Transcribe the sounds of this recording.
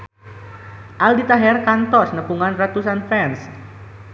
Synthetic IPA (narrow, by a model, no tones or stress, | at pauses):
ʔaldit̪aɦɛrkant̪ɔsnəpuŋanrat̪usanfɛns